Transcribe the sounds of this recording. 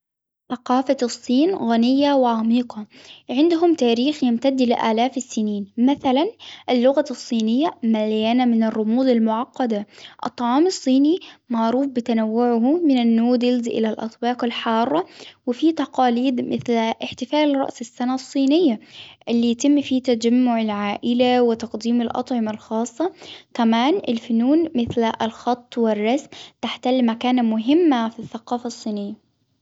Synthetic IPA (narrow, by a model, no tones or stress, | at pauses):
θɑqɑːfasˤːiːnɣanɪjːawɪʕamiːqɑʕɪnd̪ʊɦʊmt̪aːɾiːxjɪmt̪ad̪lɪʔa̰ːlaːfɪsːɪniːnmaθalanʔɪlːʊɣasˤːiːnɪjːamaljaːnamɪnɪrˤːʊmuːd̪ɪlmʊʕɑqːɑd̪aʔɨ̰t̪ˤːɑʕɑːmɑsˤːiːnimaʕɾuːfbɪt̪anawːʊʕʊhmɪnanːuːd̪ɪlzʔɪ̰lalʔɑ̰t̪ˤbɑːqɑlħɑːrˤːɑwɪfiːt̪ɑqɑːliːd̪mɪθlʔɪħt̪ɪfaːlɾˤɑ̰ʔsɪsːanasˤːiːnɪjːaʔɪlːijat̪ɪmːfiːt̪ad͡ʒamːʊʕɪlʕaːʔɪlawɪt̪ɑqd̪iːmɪlʔɑ̰t̪ˤʕɪmɑlxɑːsˤːɑk̪amaːnɪ̰lfʊnuːnmɪθlʔlxɑt̪ˤːwɪrˤːɑsmt̪aħt̪alːmakaːnamʊɦɪmːafiθːaqɑːfɑsˤːiːnɪjːa